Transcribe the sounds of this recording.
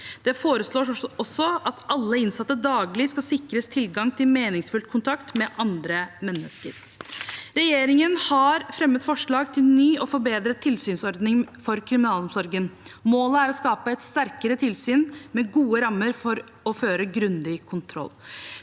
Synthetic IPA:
d̪̥ɛfoːɾəsloːʂɔsːɔɑt̪ʔɑlːəɪnsɑt̪ːəd̪ɑːɡlɪskɑlsɪkɾəst̪ʰɪlɡɑŋt̪ʰɪlmeːnɪŋsfʉlt̪̚kʰʊnt̪ʰɑkt̪mɛʔɑnd̪ɾəmɛnːəskə̰ɾ | ɾɛjeːɾɪŋənhɑɾfɾɛmːət̪fɔʂɭɑːɡt̪ʰɪlnyːɔfɔɾbeːd̪ɾət̪ʰːɪlsyːnsɔɾd̪nɪŋfɔɾkʰɾɪmɪnɑːlɔmsɔɾɡənmoːləæɾɔskɑːpəɛt̪st̪æɾkəɾət̪ʰɪlsyːnmɛɡuːəɾɑmːəɾfɔɾ | ɔføːɾəɡɾʉnd̪ɪkʰʊnt̪ʰɾɔ̰lː

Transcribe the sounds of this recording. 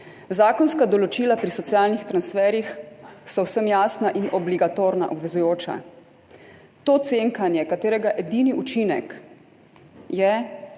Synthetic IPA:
zaːkɔnskad̪ɔlɔt͡ʃilapɾisɔt̪sjaːlnixt̪ɾansfɛɾjixsɔwsəmjaːsnaʔinɔbliɡat̪oːɾna̰ʔɔbʋɛzujoːt͡ʃa̰ | t̪oːt̪seŋkanjɛkat̪eːɾɛɡaʔɛd̪iniut͡ʃinɛ̰k | jɛ

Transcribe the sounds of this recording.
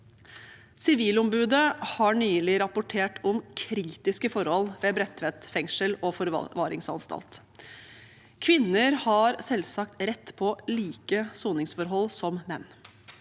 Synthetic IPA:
sɪʋiːlɔmbʉːd̪əhɑɳyːlɪɾɑpʊʈʰeːʈʰɔmkʰɾiːt̪ɪskəfɔɾhɔlʋeːbɾɛt̪ʰʋɛt̪fɛŋʂəlɔfɔɾ̰ʋɑːɾɪŋsɑ̰nst̪ɑ̰lt̪ | kʰʋɪnːəɾhɑɾsɛlsɑkt̪ɾɛt̪ːpʰɔliːkəsuːnɪŋsfɔɾɦɔlːsɔmmɛnː

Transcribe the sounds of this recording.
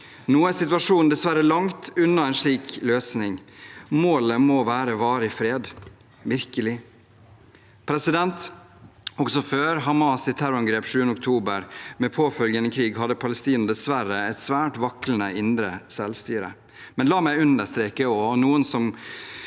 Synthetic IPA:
nuːəsɪt̪ʋɑʂuːnnd̪ɛsʋæɾəlɑŋt̪ʉnːɑɛɪnʂɭiːkløːsnɪŋmoːləmɔʋæːɾəʋɑːɾəɪfɾeːd̪ | ʋɪɾkəlɪ | pʰɾɛsɪd̪ɛnt̪ | ɔɡsɔføːɾɦɑmɑːsɪt̪ʰæɾɑŋɡɾeːpʂʉːənəʊk̚t̪ʰuːbəɾmɛpʰoːfœlɡjənəkʰɾiːɡɦɑd̪ːəpʰɑləst̪iːnɑd̪ɛsʋæɾəɛt̪sʋæːʈʋɑkɾənəʔɪnd̪ɾəsɛlst̪yːɾə̰ | mɛnlɑːmæɪʉnd̪əʂt̪ɾeːkəɔnuːənsɔm

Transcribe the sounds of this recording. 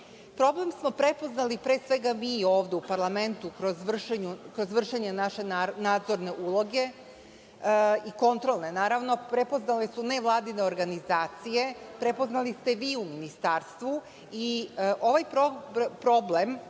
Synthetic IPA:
pɾo̞ble̞msmo̞pɾe̞po̞znalipɾe̞ːsʋe̞ɡamiːo̞ːʋd̪eupaɾlˠame̞nt̪ukɾozʋr̩ʃeɲukɾozʋr̩ʃeɲenaʃe̞naːd̪zo̞ɾne̞ʔulˠo̞ɡe̞ | iko̞nt̪ɾo̞lˠne̞naːɾaʋnopɾe̞po̞znalesune̞ʋlˠaːd̪ine̞o̞ɾɡanizaːt̪sije̞pɾe̞poznalist̪eʋiːuminist̪aːɾst̪ʋu | iʔo̞ʋajpɾopɾo̞ble̞m

